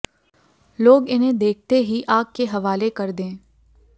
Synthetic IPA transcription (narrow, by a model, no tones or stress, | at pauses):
loːɡɪnɦẽd̪eːk̚ʰt̪eɦiʔaːkkeɦɐʋaːlekɐɾd̪ẽː